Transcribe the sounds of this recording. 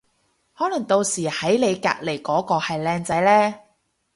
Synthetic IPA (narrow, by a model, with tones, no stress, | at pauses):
hɔː˨˥lɐ˨˩ŋt̪o˧wsiː˨˩hɐ˨˥jle˨˧jka̰ː˧k̚le˨˩jkɔː˨˥kɔː˧hɐ˨jlɛː˧ŋt͡sɐ˨˥jlɛː˥